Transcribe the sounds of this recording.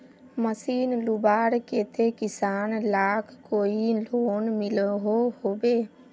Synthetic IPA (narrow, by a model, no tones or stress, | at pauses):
məsiːnlubaːɾkeːt̪ʰekɪsaːnlaːkʰkoːiloːnmɪlɦohoːbe